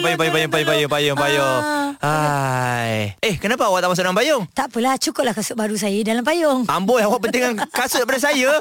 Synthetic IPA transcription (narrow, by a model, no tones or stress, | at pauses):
pajʊŋpajpajʊŋpajʊŋpajʊŋpajʊŋpajoa | jehkənapawat̪aʔmasʊʔ̚dalampajoŋt̪aʔpəlaht͡ʃukʊp̚lahkasʊʔ̚baɾus̬aidalamp̬ajʊŋambolawaʔp̬ənt̪iŋankasʊʔ̪apadas̬aja